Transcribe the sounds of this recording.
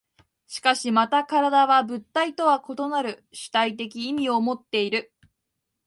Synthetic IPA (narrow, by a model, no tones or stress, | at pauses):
ɕi̥kaɕimat̪akaɾad̪aβabɯ̟t̪ːait̪o̞βako̞t̪o̞naɾɯ̟ɕi̥t̪ait̪̬e̞k̬ʲiːmʲio̞mo̞t̪ːe̞iɾɯ̟